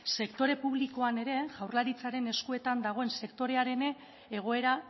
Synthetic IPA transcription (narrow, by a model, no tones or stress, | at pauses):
se̞kt̪o̞ɾe̞puβliko̞ane̞ɾe̞ʝawrlaɾit͡saɾe̞ne̞skue̞t̪and̪aɣ̞o̞e̞nse̞kt̪o̞ɾe̞aɾe̞neː | ɣ̞o̞e̞ɾa